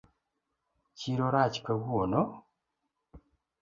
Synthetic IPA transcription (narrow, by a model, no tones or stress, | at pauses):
ciɾoɾaci̥kaβuono